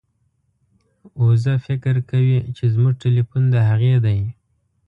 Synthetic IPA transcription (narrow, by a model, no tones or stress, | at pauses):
ozafɪkɾkawit͡ʃezmuʐʈelifund̪əɦaɣed̪aj